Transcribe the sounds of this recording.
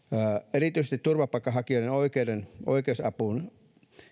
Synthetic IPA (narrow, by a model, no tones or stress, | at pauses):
eɾit̪ˑyisest̪it̪t̪urʋɑpɑˑikːˑɑhɑkioˑiɾenoikeideno̰ikˑeˑusɑpuˑn